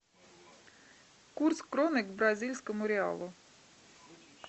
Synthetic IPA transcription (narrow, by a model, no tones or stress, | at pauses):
kurt̪skɾɔnɪkbɾazʲilʲsʲkɔmʊɾʲɪɑ̰lˠu